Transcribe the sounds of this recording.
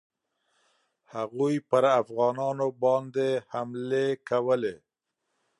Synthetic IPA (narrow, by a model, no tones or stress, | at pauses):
haɣujpəɾafɣɑnɑnobɑnd̪ehamlekawəle